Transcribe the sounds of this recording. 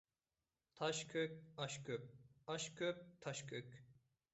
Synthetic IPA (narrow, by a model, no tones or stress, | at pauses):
t̪ʰɑʃkʰʲøk̚ʲɑʃkʰʲøp̚ɑʃkʰʲøp̚t̪ʰɑʃkʰʲøkʲ